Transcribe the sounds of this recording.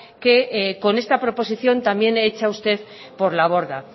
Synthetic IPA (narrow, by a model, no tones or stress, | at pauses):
ke̞ko̞ne̞st̪apɾo̞po̞siθjo̞nt̪ambje̞neet͡ʃaust̪e̞ð | po̞ɾlaβ̞o̞ɾða